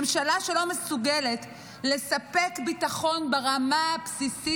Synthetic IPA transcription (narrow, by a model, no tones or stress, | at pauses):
emʃalaʃelo̞mesuɡelet | le̞sape̞kbitaχo̞nbeʁamapsisi